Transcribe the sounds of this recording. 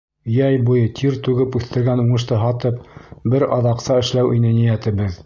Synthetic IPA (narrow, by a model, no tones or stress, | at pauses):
jæjbujɤt̪ʰiɾt̪ʉɡɘpʉθt̪ɘ̆ɾɡænuɴɤ̆ʃ̬t̪ɤɦɑt̪ɤp̚bɘɾɑðɑqsɑɘ̆ʃlæwʔinɘnijæt̪ɘ̆bɘð